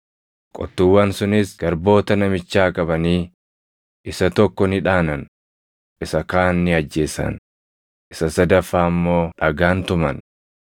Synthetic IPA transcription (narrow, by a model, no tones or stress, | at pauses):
kʼɔ̰t̪ːuwːɐnsʊnɪsɡ̥ɐɾbo̞ːt̪ɐnɐmɪt͡ʃːaːkʼɐbɐniː | ʔɪsɐt̪ɔkːɔnɪᶑaːnɐn | ʔɪsɐkaːnːɪɐd͡ʒːe̞ːsɐ̰n | ʔɪsɐsɐd̪ɐfːaːɐmːo̞ːᶑɐɡaːnt̪ʊmɐn